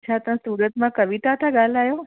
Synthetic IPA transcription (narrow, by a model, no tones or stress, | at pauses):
t͡ʃʰat̪ə̃suːɾət̪mãkəʋiʈat̪ʰaɡalajo